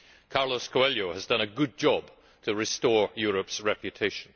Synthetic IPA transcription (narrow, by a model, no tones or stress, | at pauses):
kʰɑɹlˠəskʰoɛlˠjoʊəzdʌ̃ñɨɡʊd̚d͡ʒɒb̥ | tʰəɹɨstɔɹjɔɹəpsɹɛpjɨtʰeɪʃə̃n̩